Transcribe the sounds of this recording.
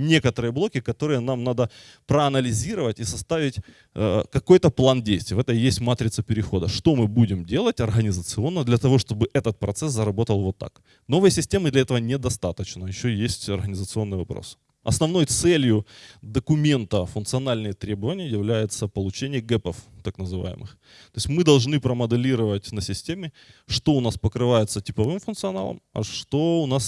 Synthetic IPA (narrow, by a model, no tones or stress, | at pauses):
nʲe̞kət̪əɾɨjəblˠo̞kʲɪkɐt̪oɾɨjənamnad̪ə | pɾəɐnəlʲɪzʲiɾəvətʲisɐst̪avʲɪtʲ | əkɐko̞jt̪əplˠandʲejsʲt̪ʲɪjəvɛt̪əmjesʲtʲmat̪ɾʲɪt̪səpʲɪɾʲɪxo̞d̪əʂt̪o̞mɨbudʲɪmdʲe̞lˠətʲɐrɣənʲɪzət̪sɨo̞nːəd̪lʲɐt̪ɐvo̞ʂt̪o̞bɨʔɛt̪ət̪̚pɾɐt̪sɛszəɾɐbo̞t̪əlˠvo̞t̪ːa̰k | no̞vɨjsʲɪsʲtʲe̞mɨd̪lʲɐɛt̪əvənʲɪd̪ɐst̪at̪ət͡ɕnəjɪɕːɵjesʲtʲɐrɣənʲɪzət̪sɨo̞nːɨjvɐpɾo̰s | ɐ̰snɐvno̞jt̪sɛlʲjʊd̪əkʊmʲe̞nt̪əfʊnt̪sɨɐnalʲnɨjət̪ɾʲebəvənʲɪjəjɪvlʲæjɪt̪səpəlˠʊt͡ɕenʲɪjəɡɛpəft̪aknəzɨva̰jɪ̰mʔɨ̰x | t̪o̞ɪsʲtʲmɨd̪ɐlˠʐnɨpɾəməd̪ɨlʲiɾəvətʲnəsʲɪsʲtʲemʲɪ | ʂt̪o̞ʊnaspəkɾɨvajʊt̪sətʲɪpɐvɨmfʊnt̪sɨɐna̰lˠə̰mɐ̰ʂt̪o̞ʊnas